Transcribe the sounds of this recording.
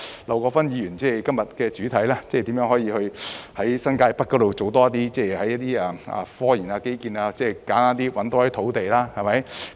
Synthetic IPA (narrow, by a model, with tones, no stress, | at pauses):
la˨wkɔː˧fɐ˥njiː˧jyː˨˩nt͡sɛː˥˩kɐ˥mjɐ˨t̚kɛː˧t͡syː˨˥t̪ʰɐ˨˥jlaː˥t͡sɛː˥˨t̪i˨˥jœ˨˥ŋɦhɔ˨˧˥jiː˧hɵ˧ɥhɐ˨˥jsɐ˥nkaː˧jpɐ˥t̚kɔː˧˥t̪o˨wt͡so˨wt̪ɔː˥ɐ˥t̪̬iː˥t͡sɛː˥˩hɐ˨˥jɐ˥t̪iː˥aː˧ɐ̰˨fɔː˥jiː˨˩naː˧ke˨˥jkiː˨˧naː˧t͡sɛː˥˩kaː˨˥nt̪aː˥nt̪iː˥wɐ˨˥nt̪oː˧˥t̪ʰo˨˥wt̪e˨jlaː˥hɐ˨˩mɐ˨˥j